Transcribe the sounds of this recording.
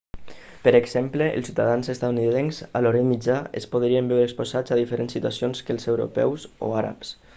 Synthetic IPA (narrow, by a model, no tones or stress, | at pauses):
pəɾeɡzempleʔə̰lˠsiwt̪aðanzest̪at̪uniðenzalɔɾəmid͡ʒaḛspoðɾiəmbɛwɾekspozad͡zaðifəɾensːit̪uasionskəlˠzewɾo̰pɛ̰wso̰aɾa̰ps